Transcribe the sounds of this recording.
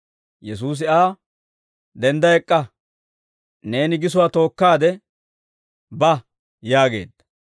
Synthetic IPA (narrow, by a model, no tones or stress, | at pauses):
jɛsuːs̬ɪaː | d̪ɛnd̪ɐɛkʼːɐ | ne̞ːnɪɡɪs̬ʊwaːt̪o̞ːkːaːd̪ɛ | bɐ | jaːɡe̞̰ːd̪ːɐ